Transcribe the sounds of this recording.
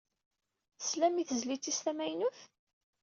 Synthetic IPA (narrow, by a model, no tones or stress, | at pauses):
θslæmiθəzlit͡sːist̪æmæjnuθ